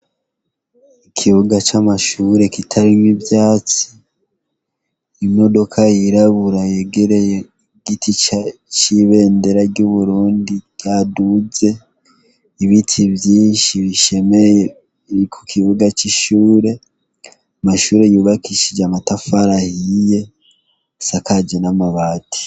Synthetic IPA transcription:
ikʰiβuɡat͡ʃamaʃuːɾe̞kitʰaɾimwibjaːt͡si̥ | imo̞do̞kʰajiɾaβuɾaje̞ɡeɾe̞je | ɡitʰit͡ʃat͡ʃiβe̞ːnde̞ɾaɟuβuɾuːndijaːduze̞ | iβitʰivjiːnʃiβiʃe̞meje | ikʰu̥kʰiβuɡat͡ʃiʃuːɾe̞ | amaʃuːɾe̞juːβakiʃid͡ʒamatafaɾahije̞ | sakad͡ʒenamaβaːtʰi̥

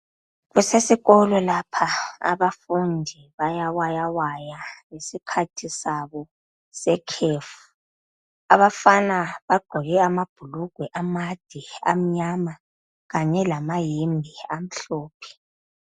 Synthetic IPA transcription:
ɣusesiɣɔlɔlapʰaa̰βafundʱiβajawajawajaŋesikʰatʰisaβɔ | sɛkʰeːfu̥ | aβafanaβaɡ͡ǃ̥ʱɔɣɛamab̥ʱuluɡ̥ʱwɛʔamad̥ʱɛa̰m̩ɲama | ɣaɲɛlamajembʱiam̩ɬɔːpʰɛ̥

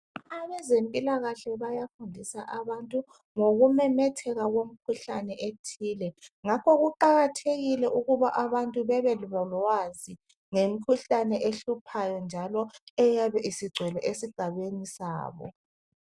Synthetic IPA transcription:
aβɛzempʼilaɣaɬɛβajafundʱisaʔaβantʼu | ŋoɣumɛmɛtʰɛɣaɣwom̩kʰuɬanɛʔetʰiːlɛŋakʰɔɣuǃaɣatʰeɣilɛʔuɣuβaʔaβantʼuβɛβɛluβɔlwazi | ŋem̩kʰuɬanɛʔeɬupʰajɔnd͡ʒʱalɔɛjaβɛʔisiɡ͡ǀʱwɛlɔʔesiɡ͡ǀ̥ʱaβenisa̰ːβɔ̰

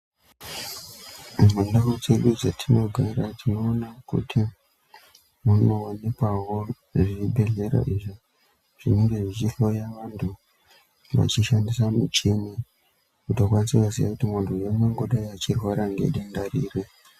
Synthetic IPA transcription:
mendarut͡se̞ɗud͡zatʰino̞ɡʱaɾatʰino̞ːnakṵtʰi | muno̞ːne̞kwawo | ʐiriɓe̞ɮe̞ɾa̰ʔiʐi | ʐ̥iniŋɡe̞ʐit͡ʃiɬo̞jaʋantʰu | ʋa̰t͡ʃiʃandisamṵt͡ʃini | kutokwanisikazija̰kutimontujoŋweŋɡoɗaiat͡ʃirwaɾaŋɡe̞̰ɗendariːre

